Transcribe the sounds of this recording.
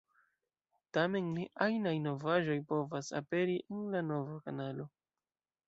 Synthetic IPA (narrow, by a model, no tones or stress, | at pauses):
tame̞nniʔajnajno̞vaʒo̞jpo̞vasa̰pe̞ɾiʔenlano̞vakanalo̞